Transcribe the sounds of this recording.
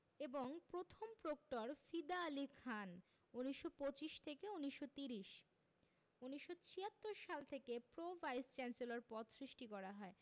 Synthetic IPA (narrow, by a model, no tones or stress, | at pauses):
eboŋpɾot̪ʰompɾokʈoɾfid̪aːlikʰan | uniʃːopot͡ɕiʃt̪ʰekeuniʃːot̪iɾiʃ | uniʃːot͡ɕʰiat̪ːoɾʃalt̪ʰekepɾovʱajst͡ɕɛnselaɾpɔt̪sɾiʃʈikɔɾaɦɔe